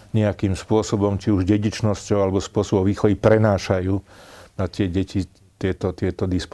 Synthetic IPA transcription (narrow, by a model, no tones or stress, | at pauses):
ɲɛakiːmspʊɔsɔbɔmt͡ʃiuʒɟɛɟit͡ʃnɔscɔʊalɛbɔspʊɔsɔbɔʋiːxɔʋipɾɛnaːʃajuːnat̪ɪɛɟɛci | t̪ɪɛt̪ɔt̪ɪɛt̪ɔd̪isp